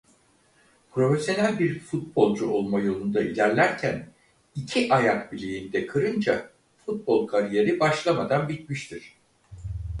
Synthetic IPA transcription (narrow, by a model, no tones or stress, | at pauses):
pɾo̞fesjo̞nælʲbiɾfut̪̚bo̞lˠd͡ʒuo̞lˠmajo̞lˠund̪ailʲæɾlʲæɾcʰæn | icʰiʔajakbilʲejind̪ɛkʰɯɾɯnd͡ʒa | fut̪̚bo̞lˠkʰaɾije̞ɾibaʃlˠamad̪anbit̪miʃt̪ʰiɾ̝̥